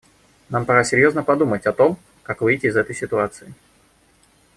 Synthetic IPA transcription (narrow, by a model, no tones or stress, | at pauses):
nampɐɾasʲɪɾʲjo̞znəpɐd̪umətʲɐt̪o̞m | kakvɨjtʲɪːzɛt̪əjsʲɪt̪ʊat̪sɨɪ